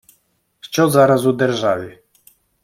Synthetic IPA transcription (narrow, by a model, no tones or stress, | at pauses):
ft͡ɕɔzaɾazud̪ɛɾʐalʲi